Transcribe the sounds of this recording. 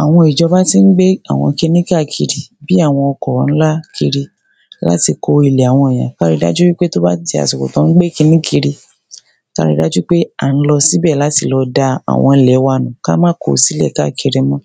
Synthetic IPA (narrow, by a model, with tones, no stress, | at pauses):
a˨w̃ɔ̃˧i˨d͡ʒɔ˧ba˦ti˦n̩˦ɡ͡be˦a̰˨w̃ɔ̃˧ki˧nĩ˦ka˦˨kʰi˧ɾi˧bi˦a˦˨w̃ɔ̃˧ɔ˧kɔ̃˨n̩˦la˦kʰi˧ɾi˧ | la̰˦ti˧ko˧i˨le˨a˨w̃ɔ̃˧ɛ˨j̃ã̰˨ka˦˧ɾi˧˦da̰˦d͡ʒu˦wi˦k͡pe˦to˦ba˦ti˧a̰˨su˨ko̰˨tɔ̃˨˦ɡ͡be˦ki˧nĩ˦kʰi˧ɾi˧ | ka̰˦˧ɾḭ˧˦da˦d͡ʒu˦k͡pe˦a˨n̩˦lɔ˧si˨˦bɛ˦˨la˨˦ti˧lɔ˧da˧a̰˨w̃ɔ̃˧˨lɛ˨˦wa˧nũ˨ka˦mãː˦ko˨si˨˦lɛ̰˦˨ka˦˨ki˧ɾe˧mɔ̃˧˦